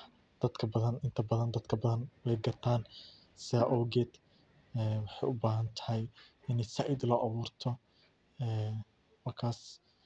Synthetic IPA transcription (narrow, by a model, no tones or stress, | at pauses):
d̪̥ɐd̪kʰɐbɐðɐnɪnt̪ʰɐbɐðɐnd̪ɐd̪kʰɐbɐðɐnwɛjɡɐrt̪ʰaːn | sɪɐʔɔwɡɛːd̪ | ɛːwɑħɑjʔʊbaːɦɐnt̪ʰɐ̥hɛjɪnɛjsɐʕid̪lɔːʔɑβuːrt̪ʰɔ | ɛː | wɐrkʰaːs